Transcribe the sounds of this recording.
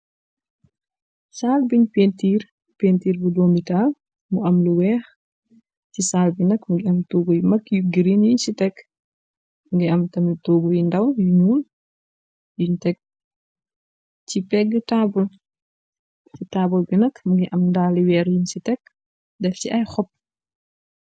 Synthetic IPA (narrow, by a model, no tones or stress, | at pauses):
saːlbiɲpentiːr | peːntiːɾbudɔːmbitaːl | muʔɐmluwɛːx | cisaːlbinɐkmuŋɡiɐmtoːɡujimɐkjuɡiɾinjinsitɛk | muŋɡiɐmtɐmitoːɡujindɐwjunuːn | juɲtɛk̚ | cipɛɡətaːbul | citaːbulbinɐkmuŋɡiʔɐmndaːliwɛːɾjinsitɛk | dɛfciʔɐjxɔp̚ː